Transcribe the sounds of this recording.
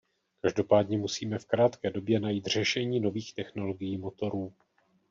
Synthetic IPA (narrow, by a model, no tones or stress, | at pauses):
kaʒdo̞paːdɲɛmusiːmɛfkɾaːt̪kɛːdo̞bjɛnajiːt̪r̝ɛʃɛɲiːno̞viːxt̪ɛxno̞lo̞ɡɪjiːmo̞t̪o̞ɾuː